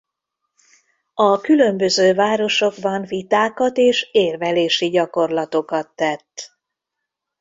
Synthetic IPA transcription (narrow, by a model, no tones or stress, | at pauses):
ɒkylø̞mbø̞zøːvaːɾo̞ʃo̞ɡbɒɱvit̪aːkɒt̪eːʃeːrvɛleːʃiɟɒko̞rlɒt̪o̞kɒt̪ːɛt̪ː